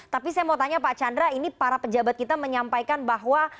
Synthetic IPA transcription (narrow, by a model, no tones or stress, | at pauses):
t̪apisajamat̪aɲapaʔt͡ʃandɾainipaɾapəd͡ʒabat̪̚kit̪aməɲampajkanbaɦwa